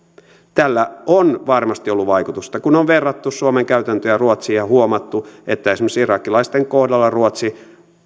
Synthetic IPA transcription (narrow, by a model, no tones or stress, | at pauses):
t̪ælːæonʋɑrmɑst̪iolːuʋɑikut̪ust̪ɑkunoʋʋerːɑt̪ːussuomeŋkæyt̪ænt̪øjæruot̪siɑhuomɑt̪ːuet̪ːæisemoseirɑːkːilɑist̪eŋkohdɑlːɑruot̪si